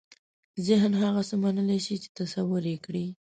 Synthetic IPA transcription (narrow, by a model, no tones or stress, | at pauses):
zɪɦnɦaɣasəmanəleʃit͡ʃe̥t̪asawəɾekɽi